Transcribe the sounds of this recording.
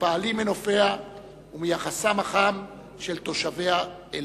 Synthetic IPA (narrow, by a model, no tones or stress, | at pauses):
paːlimeno̞fea | umijaχasamaχam | ʃelt̪o̞ʃavea | e